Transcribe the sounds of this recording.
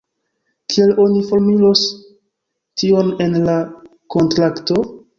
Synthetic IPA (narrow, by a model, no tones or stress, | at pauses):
kʰielo̞nifo̞ɾmilo̞s | tio̞ne̞nla | ko̞ntɾakto̞